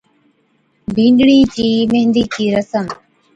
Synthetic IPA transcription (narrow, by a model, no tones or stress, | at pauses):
bʱĩːɳɖɽiːt͡ɕiːmeɦnd̪iːt͡ɕiːɾəsəm